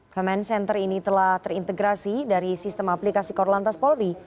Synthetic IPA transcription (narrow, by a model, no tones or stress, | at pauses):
kɔmɛnsɛnt̪ərinit̪əlaht̪ərɾint̪əɡɾasidaɾisist̪əmaplikasikɔrlant̪aspɔlɾi